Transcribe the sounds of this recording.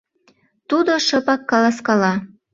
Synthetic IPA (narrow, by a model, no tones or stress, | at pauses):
t̪ud̪oʃɤpɑkːɑlɑskɑlɑ